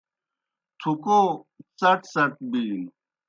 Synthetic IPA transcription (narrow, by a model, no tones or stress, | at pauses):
t̪ʰukosɐʈsɐʈ̪̚biːn